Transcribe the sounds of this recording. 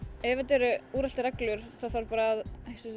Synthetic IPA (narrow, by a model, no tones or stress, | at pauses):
ɛːvat̪ɛɾʏuːɾal̥t̪ɪɾɛklʏɾ̥θaðθaɾpaːɾaːðhejsɪ